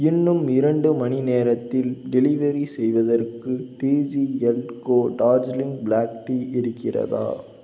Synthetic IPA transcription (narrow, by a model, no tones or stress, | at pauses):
ɪnːɯmɪɾɐɳɖɯmɐnineːɾɐt̪ːɪlɖɛlɪʋɐɾisɛjʋɐðɐrkɯʈiːd͡ʒiɛlkoːɖaːd͡ʒlɪŋɡblaːk̚ʈiɪɾɯkːɪrɐ̰ða̰ː